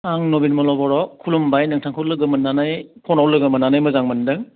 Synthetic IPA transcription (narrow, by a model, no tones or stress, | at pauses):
aŋnobinmɔlɔbɔɾɔkʰulumbajnɯŋtʰaŋkʰɯwlɯɡɯmɯnːanajkʰɔnawlɯɡɯmɯnːanajmɯzaŋmɐndɯŋ